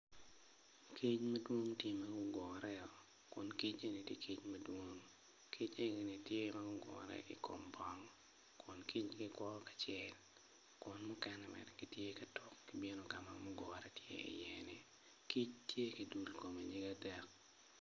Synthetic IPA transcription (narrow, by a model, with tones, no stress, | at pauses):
kʰi˦t͡ʃmɐ˦dwo˦ŋtje˦mɐ˦ɡʊ˦ɡɔ˨ɾɛ˦ɔ˨ | kʊ˨nki˦t͡ʃe˦ni˨tje˦kʰi˦t͡ʃmɐ˦dwo˦ŋ | ki˦t͡ʃe˦ɡe˨ni˨tje˦ma˦ɡʊ˦ɡɔ̰˨ɾɛ̰˦ʔḭ˨ko̰˨mbɔ˦ŋ | kʰʊ˨nki˦t͡ʃɡɪ˦kwɔ˦kḁ˨t͡ʃjɛ˦l | kʊ˨nmʊ˦kɛ˦nɛmɛ̰˨dɛ˨ɡ̥i˦tje˦kɐ˨tɔ˨kːibe˦no˨ɡa˨mamɔ˦ɡɔ˨ɾɛ˦tjḛ˦ḭ˨jɛ˨ni˨ | ki˦t͡ʃtje˦ki˨du˨lko˨me˨ɲi˦ɡa˦dɛ˦k̚